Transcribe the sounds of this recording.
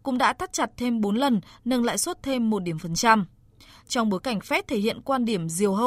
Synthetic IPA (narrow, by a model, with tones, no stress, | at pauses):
kʊ̰˧˥ŋ͡mɗa̰ː˧˥t̪ʰa˦˥t̚t͡ɕa˨˩t̚t̪ʰe˧mɓo˨˦nlə˨˩nnə˧nla̰ː˧˨jswə˦˥t̚t̪ʰe˧mːo˨˩t̚ɗi˨˩əmfə˨˩nt͡ɕa˧m | t͡ɕɔ˧wŋ͡mɓo˨˦jka˧˩jŋ̟fɛ˦˥t̚t̪ʰe˧˩hḭ˧˨ənkwaː˧nɗi˧˩əmzi˨˩əwɦə˧